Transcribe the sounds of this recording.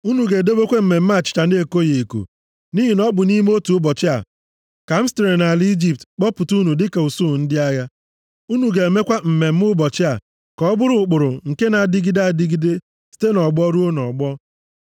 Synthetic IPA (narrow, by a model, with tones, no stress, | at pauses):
u˦nu˨ɡe˨de˦bo˦kʷe˦m̩˨me˨m̩˦ma˦˨t͡ʃɪ̥˨t͡ʃa˨ne˦e˦˨ko˦je˨ko̰˨ | ni˦ɦi˨nɔ˦bʊ˨ni˦m˦o˦tu˨ʊ˦bɔ˨t͡ʃɪ˦a̰˨ | ka˨m̩˦ste˨ɾe˨na˨li˦d͡ʒi˨p̚tk͡pɔ˦pʊ˨tu˦nu˨dɪ˦ke˨u˨su˦˨n̩˦dɪ˦a˦ja˦ | u˦nu˨ɡe˨e˨me˦kʷa˦m̩˨me˨m̩˦mʊ˦bɔ˨t͡ʃɪ˦a˨ | kɔ˨ɔ˦bʊ˦ɾʊ˨k͡pʊ˨ɾʊ˨ŋ̩˨ke˦na˨di˦ɡi˦da˨di˦ɡi˦de˦ | si̥˦te˦nɔ˨ɡ͡bɔ˦ɾu˦o˦nɔ˨ɡ͡bɔ˦